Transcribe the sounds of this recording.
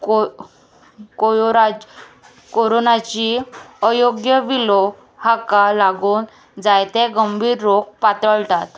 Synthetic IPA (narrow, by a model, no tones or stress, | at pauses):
ko | kojoɾa | koɾonat͡ɕiəjoɡjəʋiloɡ | hakalaɡuːn | d͡zajt̪eɡəmbʱiːɾːok̚pat̪ɾəɭt̪at̪